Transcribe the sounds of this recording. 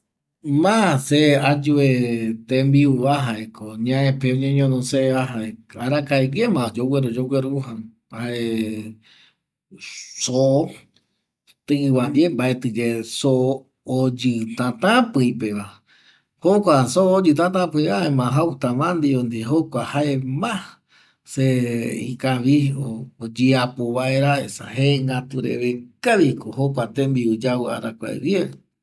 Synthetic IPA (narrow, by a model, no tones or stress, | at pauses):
mãsead͡ʒuet̪ẽmbiuβaɦaekoɲãẽpeõɲẽɲõnõseaɦaeaɾakaeɡemãod͡ʒowʷeɾod͡ʒoɡʷeɾuɦa | baʔe | so | t̪ɨβad͡ʒembaet̪ɨd͡ʒesoː | d͡ʒɨt̪ãt̪ãpɨipeβa | hokʷasoːd͡ʒɨt̪̬ãt̪̬ãpɨiʔaemãɦawut̪ãmãnd̪iõnd̪iɦokʷahaemã | seḭkaʋiod͡ʒiapoβaeɾaesa̰ɦeŋɡat̪uɾḛβekaβikohokʷat̪embiud͡ʒaβɨa̰ɾakʷa̰ḛβje